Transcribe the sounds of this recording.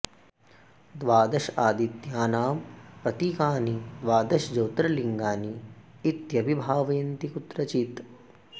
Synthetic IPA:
d̪ʋaːd̪ɐʃaːd̪it̪jaːnaːmpɾɐt̪iːkaːnid̪ʋaːd̪ɐʃd͡ʒɐwt̪ɾɐliŋɡaːniː | t̪jɐbibʱaːʋɐjɐnt̪ikut̪ɾɐt͡ʃit̪

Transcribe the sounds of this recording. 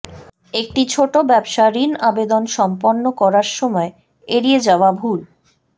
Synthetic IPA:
ek̚ʈit͡ɕʰoʈobɛbʃaɾinabed̪onʃɔmponːokɔɾaɾʃɔmɔe | eɾied͡ʑaoabʱul

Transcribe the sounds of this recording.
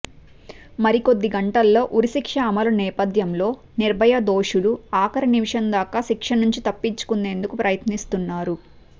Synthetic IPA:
mɐɾiko̞d̪ːiɡɐɳʈɐlːo̞ːʔuɾisikʂɐːmɐlɐnɛːpɐd̪ʱjɐmlo̞ː | niɾbʱɐjɐd̪o̞ːʂuluaːkɐɾɐnimiʂɐnd̪aːkaːʃikʂɐnuɲt͡ʃit̪ɐpːiɲt͡ʃu̥kunːe̞ːnd̪ukupɾɐjɐt̪nist̪unːaːɾu

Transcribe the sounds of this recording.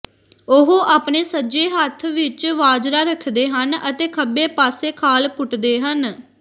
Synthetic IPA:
ʊɦoʔaːpneːsəd͡ʒeːɦət̪ʰʋɪt͡ʃʋaːd͡ʒɾaːɾəkʰd̪eːɦənət̪eːkʰəbeːpaːseːkʰaːlpʊʈd̪eːɦən

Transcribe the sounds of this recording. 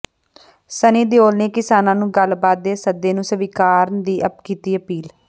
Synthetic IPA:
sənĩːd̪eoːlneːkɪsaːnãːnũːɡəlbaːt̪̚d̪eːsəd̪ːeːnũːsəʋiːkaːɾnd̪iːʔəpkiːt̪iːəpiːl

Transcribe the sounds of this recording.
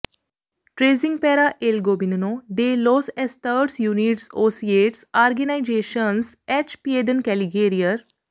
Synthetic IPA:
ʈɾeːziŋɡ̚pɛɾaʔelɡoːbinunoɖeloːsesʈəɾʈsjuniʈsoːsieʈsaːɾɡenajd͡ʒeːʃəns | et͡ʃpieɖənkɛliɡeːɾijəɾ

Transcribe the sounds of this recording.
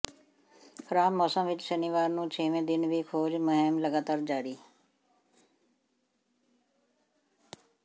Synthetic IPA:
kʰəɾaːbmɔːsə̃mʋɪt͡ʃsɛniʋaːɾnũːt͡ʃʰeːʋẽːd̪ɪnʋiːkʰoːd͡ʒməɦɪmləɡaːt̪aːɾd͡ʒaːɾiː

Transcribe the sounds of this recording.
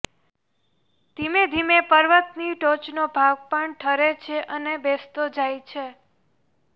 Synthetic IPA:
d̪̥ʱimed̪ʱimepəɾʋət̪niʈot͡ʃnobʱaɡ̚pəɳʈʰəɾet͡ʃʰeʔənebest̪od͡ʒajt͡ʃʰe

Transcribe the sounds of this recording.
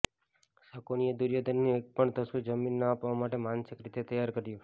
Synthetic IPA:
səkonijəd̪uɾjad̪ənːuek̚pəɳt̪əsud͡ʒəminːəapʋamaʈemansɪkɾit̪et̪əjaɾkəɾju

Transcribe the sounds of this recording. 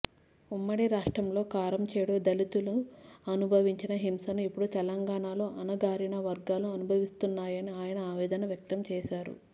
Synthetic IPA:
umːɐɽiɾaːʂʈɾɐmlo̞ːkaːɾɐmt͡ʃɛːɽod̪ɐlit̪uluɐnubʱɐʋiɲt͡ʃinɐɦimsɐnuipːuɽut̪ɛlɐŋɡaːɳaːlo̞ːʔɐnɐɡaːɾiɳɐʋɐɾɡaːluɐnubʱɐʋist̪unːaːjɐniaːjɐnɐaːʋɛːd̪ɐnɐʋjɐk̚t̪ɐmt͡ʃɛːʃaːɾṵ

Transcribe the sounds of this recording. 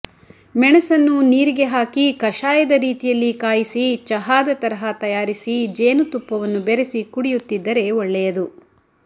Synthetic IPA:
mɛɳɐsɐnːuniːɾiɡe̞ɦaːkikɐʃaːjɐd̪ɐɾiːt̪ijɐlːikaːjisit͡ʃɐɦaːd̪ɐt̪ɐɾɐɦɐt̪ɐjaːɾisid͡ʒeːnut̪upːɐʋɐnːubeɾesikuɽijut̪ːid̪ːɐɾe̞ɔɭːɛjɐd̪u

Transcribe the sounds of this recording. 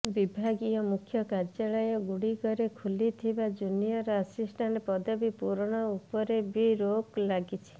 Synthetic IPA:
bibʱaɡijɔmukʰjɔkaɾd͡ʒaɭɔjɔɡuɽikɔɾekʰulit̪ʰibad͡ʒunijɔɾɔasisʈʰanepɔd̪ɔbipuɾɔɽ̃ɔupɔɾebiɾoklaɡit͡ʃʰi̥

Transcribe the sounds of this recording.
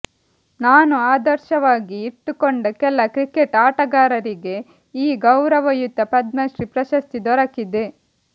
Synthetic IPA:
naːnuaːd̪ɐɾʃɐʋaːɡiːʈːukoɳɖɐkɛlːɐkɾikeʈaːʈɐɡaːɾɐɾiɡe̞ | iːɡɐwɾɐʋɐjut̪ːɐpɐd̪mɐʃɾipɾɐʃɐst̪id̪ɔɾɐkid̪e

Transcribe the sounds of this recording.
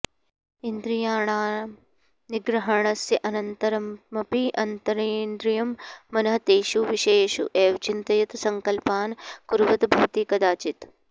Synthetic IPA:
ind̪ɾijaːɳaː | niɡɾɐɦɐɳɐsjɐʔɐnɐnt̪ɐɾɐmmɐpiʔɐnt̪ɐɾeːnd̪ɾijɐmːɐnɐɦɐt̪eːʃuʋiʃeːʃṵʔeːʋɐt͡ʃint̪ɐjɐt̪sɐŋkɐlpaːnkuɾʋɐt̪bʱuːt̪iːkɐd̪aːt͡ʃit̪

